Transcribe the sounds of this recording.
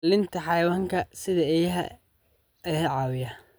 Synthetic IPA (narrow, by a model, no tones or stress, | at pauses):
lɪnt̪ʰɐħɑjɐwaːŋkʰɐsɪðɐɛjɐɦɐ̰ | ɛjɐʕɑːwɪjɐ